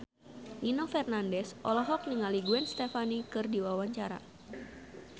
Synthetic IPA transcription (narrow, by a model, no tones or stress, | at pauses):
ʔinofɛrnandɛsʔɔlɔɦɔk̚niŋaliɡuɛnst̪ɛfanikɨrdiwawaɲt͡ʃaɾa̰